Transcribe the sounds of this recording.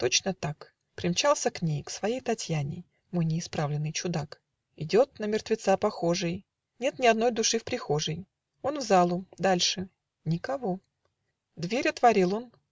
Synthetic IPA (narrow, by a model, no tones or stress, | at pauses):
t̪o̞t͡ɕnət̪ak | pɾʲɪmt͡ɕalˠsʲəknʲejksvɐjejt̪ɐtʲjanʲɪ̰ | mɨnʲɪɪspɾavlʲɪnːɨjt͡ɕʊd̪ak | ɪdʲo̞t̪̚nəmʲɪrt̪vʲɪt̪sapɐxo̞ʐɨj | nʲe̞t̪nʲɪɐd̪no̞jd̪ʊʂɨfpɾʲɪxo̞ʐɨj | o̞nvzalˠʊd̪alʲʂɨ | nʲɪkɐvo̞ | d̪vʲeɾʲɐt̪vɐɾʲilˠo̞n